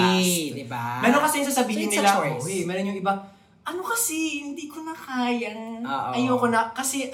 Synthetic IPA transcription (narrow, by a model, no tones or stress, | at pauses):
samɛːɾonkɐsɛjŋs̬aːsɐbiːhɪnːɪlaʔojmɛːɾonjʊŋʔɪba | ʔɐnokɐsɛhɪnd̪iːkonɐkaːjɐʔɐjoːkonɐkɐsɛ